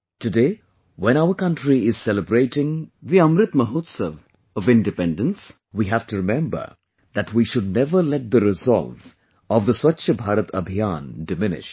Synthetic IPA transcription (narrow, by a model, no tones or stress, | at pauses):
tɨdeː | wɛ̃ñaʊəɾkʌ̃nʈɾiɪz̥sɛləbɾeːʈɪ̃ŋðiʌ̃mɾɪt̪məɦoːt̪səʋ | ɔvɪ̃nɖɪpɛ̃nɖə̃ns | wiːɦæfʈuɾɪmɛ̃mbə̰˞ | d̪ætwiʃʊd̚nɛvəɾlɛʈ̚d̪əɾɪzɔ̰lv | ɔʋd̪əswʌtːʃʰəbʱaːɾət̪ʰəbʱijaːndɪmɪnɪ̰ʃ